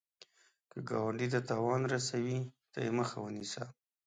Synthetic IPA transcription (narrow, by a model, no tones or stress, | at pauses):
kəɡɑwaɳɖid̪ət̪ɑwɑnɾasawit̪a̰jeməxawənisa̰